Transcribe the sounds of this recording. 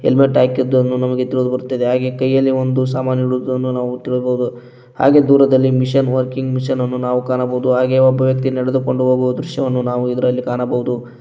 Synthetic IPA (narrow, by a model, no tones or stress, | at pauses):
elmeʈaːkid̪ːuɐnːunɐmɐɡe̞t̪iɭoːd̪ubɐɾut̪ːɐd̪eɦaːɡe̞ːkɐjːɐlːiond̪us̬aːmaːnjɐɽud̪uɐnːunaːʋut̪iɭobɐɦud̪u | ha̰ːɡe̞ːd̪uːɾɐd̪ɐlːimiʂɐnʋɐɾkiŋɡmiʂɐnɐnːunaːʋukaːnɐbɐɦud̪uɦaːɡeːɐbːɐʋjɐk̚t̪inɛɽed̪uko̞ɳɖuɦoːɡuʋɐd̪ɾuʃjɐʋɐnːunaːʋuid̪ɐɾɐlːikaːnɐbɐɦud̪u